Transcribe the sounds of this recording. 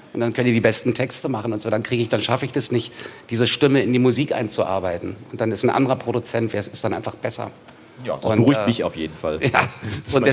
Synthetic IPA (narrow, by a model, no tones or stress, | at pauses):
ʔʊntd̥ankʰœntiːɐdiːbɛstn̩tʰɛkstəmaχn̩ʊntz̥oːdankiːɡəɪçd̥anʃafəɪçd̥asnɪçtd̥iːzəʃtɪməɪndiːmʊziːkʔa̰ɪnt͡suʔa̰ːɐbaɪtn̩ʊnt̚d̥anɪstn̩ʔa̰ndəʁɐpʁ̥oɾut͡sɛntv̥eːɐsɪstd̥anʔaɪnfaχb̥ɛsɐ̰ | jɔnbəʁyːtmɪça̰ʊfjeːdn̩fa̰ljaːʊntd